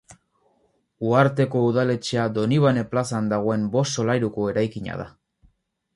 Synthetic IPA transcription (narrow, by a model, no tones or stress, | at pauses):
uaɾt̪e̞ko̞uð̞ale̞t͡ʃead̪o̞niβ̞ane̞plasand̪aɣ̞o̞e̞mbo̞st̪so̞lajɾuko̞e̞ɾajkiɲa̰ða̰